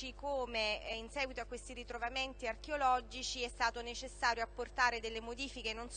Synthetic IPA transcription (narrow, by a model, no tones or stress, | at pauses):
ikoːmeinsɛːɡwit̪oakːwest̪iɾit̪ɾovament̪iark̟eolɔd͡ʒit͡ʃiɛst̪aːt̪onet͡ʃesːaːɾjoapːort̪aːɾed̪elːemod̪iːfikenons